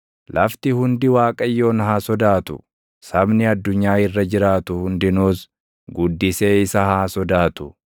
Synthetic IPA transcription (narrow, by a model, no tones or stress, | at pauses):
lʔɐft̪ɪhʊnd̪ɪwaːkʼɐjːo̞ːnɦaːsɔd̪aːt̪ʊ̰ | sɐbnɪɐd̪ːʊɲːaːɪrːɐd͡ʒɪɾaːt̪ʊhʊnd̪ɪnuːs | ɡʊd̪ːɪse̞ːɪsɐhaːsɔd̪aːt̪ʊ̥